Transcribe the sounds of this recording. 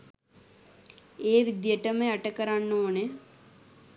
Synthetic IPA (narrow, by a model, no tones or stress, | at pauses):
eːʋid̪jəʈəməaʈəkəɾanːoːne